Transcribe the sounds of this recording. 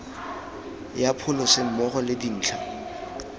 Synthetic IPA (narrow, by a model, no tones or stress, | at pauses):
japʰʊlɔsɪm̩mɔχɔlɪdin̩ːt͡ɬʰa